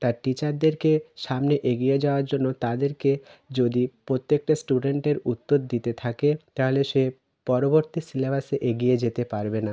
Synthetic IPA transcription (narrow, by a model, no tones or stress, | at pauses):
t̪aɾʈit͡ɕaɾd̪eɾkeʃamneʔeɡijed͡ʑaoaɾd͡ʑonːot̪ad̪eɾked͡ʑod̪ipɾot̪ːek̚ʈasʈuɖeɳʈeɾut̪ːod̪d̪it̪et̪ʰaket̪aɦoleʃe | pɔɾoboɾt̪isilebaseʔeɡijed͡ʑet̪epaɾbena